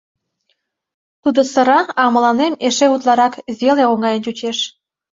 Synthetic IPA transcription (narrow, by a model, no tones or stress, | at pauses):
t̪ud̪osə̆ɾɑɑmə̆lɑnemeʃeut̪lˠɑɾɑkzʲeleoŋɑjənut͡ɕeʃ